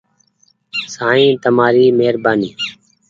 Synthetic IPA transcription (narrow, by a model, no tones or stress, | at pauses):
saːĩːt̪əmaːɾiːmeːɾbaːniː